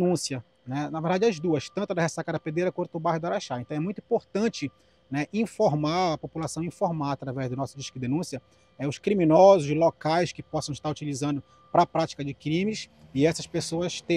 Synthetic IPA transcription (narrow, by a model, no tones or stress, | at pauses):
nũsiɐ | nɛnɐveɾd̪ad͡ʒɪɐzd̪uɐst̪ɐ̃nt̪ʊd̪ɐhesakɐd̪ɐped̪eɾɐkwɐ̃t̪ʊʊbajhʊd̪ʊaɾaʃaẽt̪ɐ̃w̃ɛmũj̃t̪ʊĩpoɾt̪ɐ̃t͡ʃɪ | nɛʔĩfoɾmaɐpopulasɐ̃w̃ĩfoɾmaat̪ɾavɛzd̪ʊnɔsʊd͡ʒiʃkʊd̪enũsiɐ | ɛʊʃkɾimĩnɔzʊzlokajskɪpɔsɐ̃w̃ɪʃt̪aɾut͡ʃilizɐ̃nd̪ʊ | pɾɐpɾat͡ʃi̥kɐd͡ʒɪkɾĩmɪs | ɪɛsɐspesoɐst̪ẽ